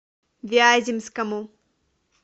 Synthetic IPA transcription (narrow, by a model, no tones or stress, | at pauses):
vʲiaːzʲimskɐmu